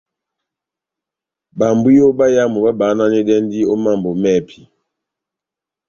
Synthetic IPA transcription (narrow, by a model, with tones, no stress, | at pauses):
ba˨mbu˦jo˦ba˦ja˦˨mu˨ba˦ba˨˦na˦nɛ˦ɗɛ˦ndi˦ɔ˦ma˦˨mbɔ˨mɛ˦˨pʰi˨